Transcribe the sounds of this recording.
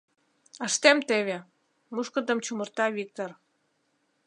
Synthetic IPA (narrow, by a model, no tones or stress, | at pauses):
əʃt̪emt̪eβe | muʃkəd̪əmt͡ɕumərt̪ɑvik̚t̪or